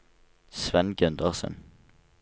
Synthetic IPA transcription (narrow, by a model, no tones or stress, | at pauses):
sʋɛnɡʉnd̪əʁsə̰n